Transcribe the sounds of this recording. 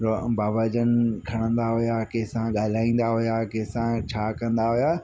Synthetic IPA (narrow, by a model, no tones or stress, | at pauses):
ɾbaːʋəd͡ʑənɪ̆kʰɐɽ̃ə̃nd̪aɦʊjaːkeːsãɠaːl̤aːĩːn̆d̪aɦʊjaːkeːsãt͡ɕʰaːkɐ̃nd̪aɦʊjaː